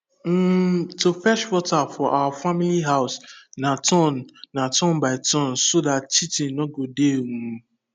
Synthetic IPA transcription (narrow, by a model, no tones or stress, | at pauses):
m̩tofɛʃwɔtafɔʔawafamiliɦaʊsnatʰɔ̃nːatɔ̃nbaɪtɔ̃nsodatt͡ʃitinɔɡodeŋu